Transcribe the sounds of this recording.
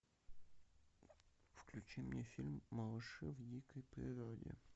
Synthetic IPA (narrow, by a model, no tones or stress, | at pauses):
fklʲʉt͡ɕimnʲefʲilʲmːəlˠɨʂɨvdʲikəjpɾʲɪɾodʲɪ̰